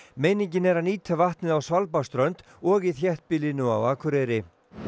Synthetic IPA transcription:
meːjniɲcɪnɛɾaniːt̪ʰavaht̪nɪðawsvalpast̪ɾœnt̪ | ɔɣiθjɛht̪̚pɪlinʏa̰waːkʰʏɾeɾɪ

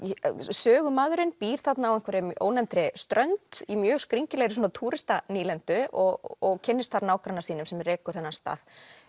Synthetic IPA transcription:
sœːɣʏmaːðʏɾɪnpiːɾ̥θat̪naawɛŋkvɛɾɪmʔo̰ːwnɛmt̪ɾɪst̪ɾœnt̪imjœːɣskɾiɲcɪlɛɣɾɪsuːnat̪ʰuːɾɪst̪aniːlɛnt̪ʏɔɔɣcʰɪnːɪst̪θaɾnaːwkɾanasiːnʏmsɛmrɛːkʏɾ̥θɛnːast̪a̰ːð

